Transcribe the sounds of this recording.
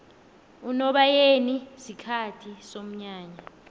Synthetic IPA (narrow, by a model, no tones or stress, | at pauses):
unɔɓajenisikʰatʰisom̩ɲaːɲa